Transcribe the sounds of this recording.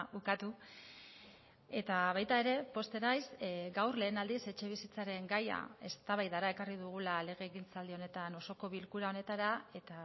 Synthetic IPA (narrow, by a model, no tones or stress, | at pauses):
ukat̪u | e̞t̪aβajt̪ae̞ɾe̞po̞st̪e̞najsɡawrle̞ːnald̪ise̞t͡ʃe̞βisit͡saɾe̞ŋɡaja̰e̞st̪aβajðaɾae̞kariðuɣ̞ulale̞ɣ̞e̞ːɣint͡sald̪io̞ne̞t̪ano̞so̞ko̞βilkuɾao̞ne̞t̪aɾae̞t̪a